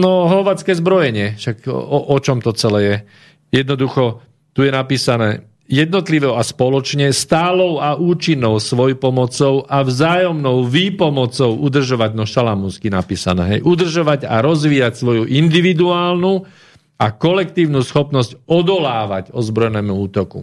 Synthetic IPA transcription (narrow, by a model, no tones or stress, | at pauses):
nɔɦlɔʋat͡skɛːzbɾɔjɛɲɪɛʃakɔʔɔt͡ʃɔmt̪ɔt͡sɛlɛːjɛ | jɛd̪nɔd̪uxɔ | t̪ujɛnapiːsanɛː | jɛd̪nɔt̪liʋɔʊaspɔlɔt͡ʃɲɛst̪aːlɔʊaʔuːt͡ʃinːɔʊsʋɔjpɔmɔt͡sɔʊʔavzaːjɔmnɔʊʋiːpɔmɔt͡sɔʊʔud̪r̩ʒɔʋaɟnɔʃalamuskinapiːsanɛ̰ːɦɛjʔud̪r̩ʒɔʋaɟa̰ɾɔzʋiːacsʋɔjuʔind̪iʋid̪uaːlnu | akɔlɛkt̪iːʊnusxɔpnɔscɔd̪ɔlaːʋaɟɔzbɾɔjnɛːmuuːt̪ɔkṵ